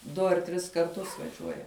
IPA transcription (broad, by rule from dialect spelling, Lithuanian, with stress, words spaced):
ˈdʊ ɐr ˈtʲrʲɪs kɐrˈtʊs ʋɐˈʒʲuɔjɛ